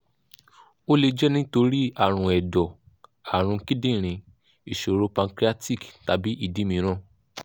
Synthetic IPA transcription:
o˦le˧d͡ʒɛ˦nĩ˦to˧ɾi˦a˦˨ɾ̃ũ˧˨ɛ˨dɔ˨ | a˨ɾ̃ũ˧ki˦dĩ˦˨ɾ̃ĩ˧ | i˨ʃo˨ɾo˧˦pã˧ŋkɾi˦a˦ti˦˨kta˨˦bi˨˦ʔi˦˨dĩ˨˦mĩ˧˦ɾ̃ã˦˨

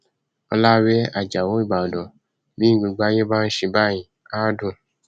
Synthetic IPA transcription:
ɔ˧la˦wɛ˦a̰˨d͡ʒa˨wo˨˦i˦˨ɡ͡ba˨o˨dɔ̃˨ | bĩ˦ɡ͡bĩ˧ɡ͡ba˦je˦ba˦n̩˦ʃe˧ba˦˨jĩ˨ | a˦dũ˦˨

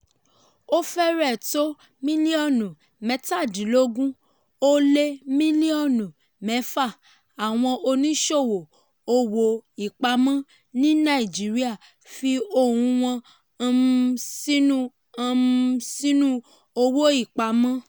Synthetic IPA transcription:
o˦fɛ˦ɾɛ˦˨to˦ | mĩ˦li˦ɔ˦˨nũ˨ | mɛ˨˦ta˦˨di˨˦lo˦ɡũ˦ | o˦le˦mĩ˦li˦ɔ˦˨nũ˨ | mɛ˨˦fa˦˨ | a˨w̃ɔ̃˧ʔo˧nĩ˦ʃo˦˨wo˨ | o˧wo˨i˦˨k͡pa˧˦mã˦ | nĩ˦nã˦˨i˨d͡ʒi˨˦ɾi˦a˦˨ | fi˧o˦˨hũ˧w̃ɔ̃˧ | sĩ˦nũ˦ | ã˧sĩ˦nũ˦ | o˧wo˦i˦˨k͡pa˨˧mã˦

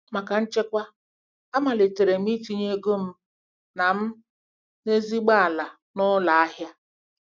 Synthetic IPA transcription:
ma˨ka˨n̩˦t͡ʃe˦kʷa˦ | a˦ma˨lɪ˨te˨ɾe˨m̩˦i˦ti˦ɲe˦ɡo˦m̩˦ | na˨m̩˦ | ne˦zi˦ɡ͡ba˦a˨la˨ | nʊ˦la˨a˦ɦja˦

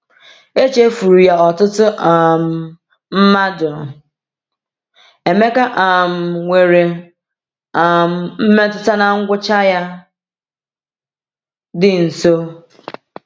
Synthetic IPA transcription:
e˦t͡ʃe˦fu˨ɾu˨ja˦ɔ˨tʊ˦tʊ˦ʔa˨m̩˨ | m̩˦ma˦dʊ˨ | e˨me˦ka˦ʔa˨m̩˨ŋʷe˨ɾe˨ | a˨m̩˨m̩˦me˦tʊ˦ta˦na˨ŋ̩˦ɡʷʊ˦t͡ʃa˦ja˦ | dɪ˦n̩˨so˦

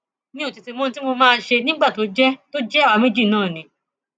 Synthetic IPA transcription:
nĩ˦o˦˨ti˧ti˧mõ˦ñ˦ti˦mo˧mãː˦˧ʃe˧nĩ˦ɡ͡ba˦˨to˨˦d͡ʒɛ˦to˦d͡ʒɛ˦˨wa˨˧me˦d͡ʒi˦˨nãː˦˨nĩ˨˦

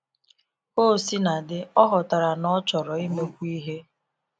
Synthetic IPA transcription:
o˦˨si˦na˨dɪ˨ɔ˦ɦɔ˨ta˨ɾa˨nɔ˦t͡ʃɔ˨ɾɔ˨i˦me˦kʷu˦i˦ɦe˦

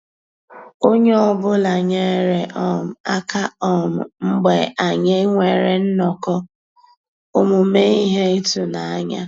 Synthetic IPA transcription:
o˦ɲe˦ɔ˦˨bʊ˦la˨ɲe˦˨ɾe˨ʔɔ˦m̩˨a˦ka˦ɔ˦m̩˨m̩˦ɡ͡be˨a˨ɲe˦ŋʷe˨ɾe˨n̩˦nɔ˨kɔ˦ | ʊ˦mʊ˨me˦i˦ɦe˦i˦tu˨na˨a˦ɲa̰˦

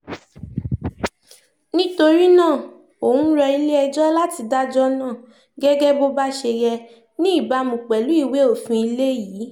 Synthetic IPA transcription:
nĩ˦to˧ɾi˦nãː˦˨ | o˨ũ˦ɾɛ˧i˧le˦ɛ˧d͡ʒɔ˦la˦ti˧da˦d͡ʒɔ˦nãː˦˨ | ɡɛ˦ɡɛ˦bo˦ba˦ʃe˧jɛ˧ | nĩ˦i˦˨ba˧mũ˨k͡pɛ˨lu˨˦i˦˨we˨˦o˦˨fĩ˧˦i˧le˦jiː˨˦

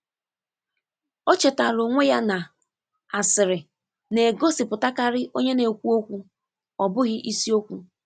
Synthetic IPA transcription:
ɔ˦t͡ʃe˨ta˨lo˨ŋʷe˦ja˦na˨ | a˨sɪ˨ɾɪ˨ | ne˨ɡo˦si˨pʊ˨ta˦ka˦ɾɪ˦ʔo˦ɲe˦ne˨kʷu˦o˦kʷu˦ | ɔ˨bʊ˦ɣɪ˦ʔi˦si˦o˦kʷu˦

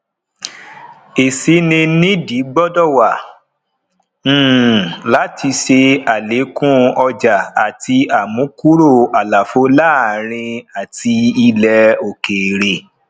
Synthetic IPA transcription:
e˨si˨˦nĩ˧nĩ˦di˨˦ɡ͡bɔ˦dɔ˦˨wa˨˦˨ | la˨˦ti˧ʃe˧a˨le˨˦kũ˦ɔ˧d͡ʒa˨a˨ti˧a˨mũ˨˦ku˦ɾo˦˨a˨la˨fo˨˦la˦˨ɾ̃ĩ˧a˨ti˧i˧lɛ˧o˨ke˨ɾe˨

